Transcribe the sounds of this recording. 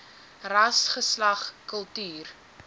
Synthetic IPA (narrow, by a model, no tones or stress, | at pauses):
rɐsχəslɐχkəlˠtyːr